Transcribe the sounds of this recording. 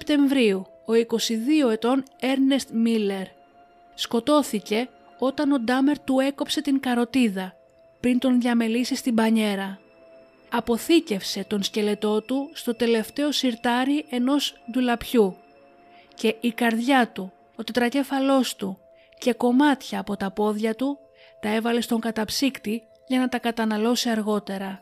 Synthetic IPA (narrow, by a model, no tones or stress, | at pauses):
pt̪e̞ɱvɾiu | o̞iko̞siðio̞e̞t̪o̞ne̞ɾne̞st̪mile̞ɾ | sko̞t̪o̞θice̞ | o̞t̪ɐno̞d̪ɐme̞ɾt̪ue̞ko̞pse̞t̪iŋkɐɾo̞t̪iðɐ | pɾint̪o̞nðʝɐme̞lisist̪ibɐɲe̞ɾɐ | ɐpo̞θice̞fse̞t̪o̞nsce̞le̞t̪o̞t̪ust̪o̞t̪e̞le̞ft̪e̞o̞siɾt̪ɐɾiʔe̞no̞zd̪ulɐpçu | ce̞ʔikɐɾðʝɐt̪u | o̞t̪e̞t̪ɾɐce̞fɐlo̞st̪u | ce̞ko̞mɐt̪çɐːpo̞t̪ɐpo̞ðʝɐt̪u | t̪ɐe̞vɐle̞st̪o̞ŋkɐt̪ɐpsikt̪i | ʝɐnɐt̪ɐkɐt̪ɐnɐlo̞siɐɾɣo̞t̪e̞ɾɐ